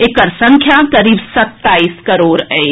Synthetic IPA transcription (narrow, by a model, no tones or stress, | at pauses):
ekəɾsə̃ŋkʰjakɐɾiːbsɐt̪ːaːiːskɐɾoːɾɛ̃ː